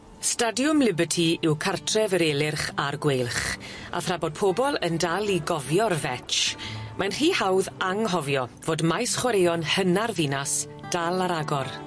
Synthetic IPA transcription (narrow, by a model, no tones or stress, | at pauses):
stadjʊmlɪbətʰiɪwkʰartʰrɛvəɾeːlˠɪrχarɡwejlˠχ | ʔa̰θrabɔd̚pʰoːbɔlˠəndalˠiɡɔvjɔrvɛt͡ʃmʔajnr̥iːhawðaŋɦɔvjɔvoːdmajsχwɔɾejɔnhənarvinas | d̥alˠaɾaɡɔr